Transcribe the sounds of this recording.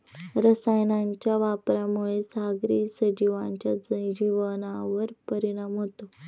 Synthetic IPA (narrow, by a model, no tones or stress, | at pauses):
ɾəsajnaɲt͡ɕjaʋapɾamuɭesaɡɾiːsəd͡ʑiʋãɲt͡ɕjad͡zəjd͡ʑiʋənaʋəɾpəɾiɽamɦot̪o